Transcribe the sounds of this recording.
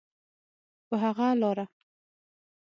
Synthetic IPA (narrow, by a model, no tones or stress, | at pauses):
pəɦaɣalɑɾa